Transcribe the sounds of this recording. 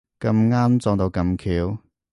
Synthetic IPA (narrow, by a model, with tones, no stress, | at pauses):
kɐ˧mŋaː˥mt͡sɔː˧ŋt̪o˧wkɐ˧mkʰiː˨˧˥w